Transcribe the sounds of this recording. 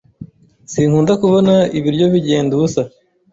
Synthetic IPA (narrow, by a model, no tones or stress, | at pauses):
siːn̥huːndakuβo̞naiβiɾɟo̞βiɟeːndusa